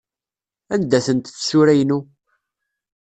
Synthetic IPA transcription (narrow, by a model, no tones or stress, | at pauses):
ænd̪æθənt̪θsʊɾæjnu